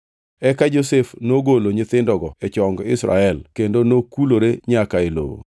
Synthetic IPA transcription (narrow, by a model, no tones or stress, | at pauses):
ɛkad͡ʒosefnoɡoloɲɪt̪ɪndɔɡɔɛt͡ʃɔŋɡɪsɾa̰ɛlkendonokuloɾeɲakaelo̰wo̰